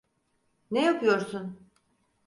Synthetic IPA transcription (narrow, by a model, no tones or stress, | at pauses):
nejapʰɯjo̞ɾsun